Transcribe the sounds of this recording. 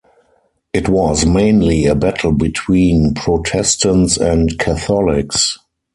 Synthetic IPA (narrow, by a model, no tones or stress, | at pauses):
ʔɪtwɔzmẽɪ̃nliəbætʰl̩bitʰwĩːnpʰɹɔtʰɛstə̃ntsɛ̃ntkʰaθɔlɪks